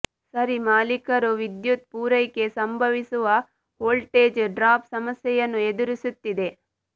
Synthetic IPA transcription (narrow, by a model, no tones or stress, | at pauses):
sɐɾimaːlikɐɾuʋid̪jut̪̚puːɾɐjke̞sɐmbʱɐʋisuʋɐ | ɦoːlʈeːd͡ʒɖɾaːpsɐmɐsjɛjɐnːued̪uɾisut̪ːid̪e̞